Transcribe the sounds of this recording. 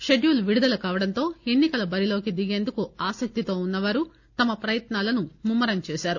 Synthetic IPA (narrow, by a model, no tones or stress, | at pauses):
ʃeɖjuːlʋiɽud̪ɐlɐkaːʋɐɽɐnt̪o̞ːe̞nːikɐlɐbɐɾilo̞ːkid̪iɡe̞ːnd̪ukuaːsɐk̚t̪it̪o̞ːunːɐʋaːɾu | t̪ɐmɐpɾɐjɐt̪naːlɐnumumːɐɾɐmt͡ʃɛːsaːɾu